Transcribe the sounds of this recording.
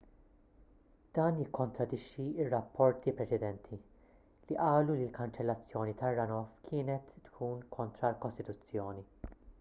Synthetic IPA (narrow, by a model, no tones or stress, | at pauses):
d̪̥ɐːnjɪkʰːɔnt̪ɾɐd̪ɪʃːiɪrːɐpːɔɾt̪ipɾɛt͡ʃɛd̪ɛnt̪ʰi | liʔɐːlulilkɐnt͡ʃɛlːɐt͡sːjɔːnit̪ɐrːɐnɔfkʰɪːnɛt̪ːkʰuːnkʰɔnt̪ɾɐlkɔst̪ɪt̪ʊt͡sːjɔːni